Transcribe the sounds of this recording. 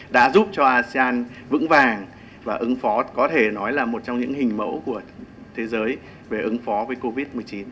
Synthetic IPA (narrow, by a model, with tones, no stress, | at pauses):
ɗa̰ː˧˥zu˦˥p̚t͡ɕɔ˧ʔaː˧si˧aː˧n | vɨ̰˧˥ŋvaː˨˩ŋ | vaː˨˩ʔɨ˨˦ŋfɔ˨˦kɔ˨˦t̪ʰe˧˩nɔ˨˦jlaː˨˩mo˨˩t̚t͡ɕwŋ͡mɲɨ̰˧˥ŋhï˨˩ŋ̟mə̰˧˥wku˧˩ə | t̪ʰe˨˦zəː˨˦j | ve˨˩ʔɨ˨˦ŋfɔ˨˦vəː˨˦jko˧vi˦˥t̚mɨ˨˩əjt͡ɕi˨˦n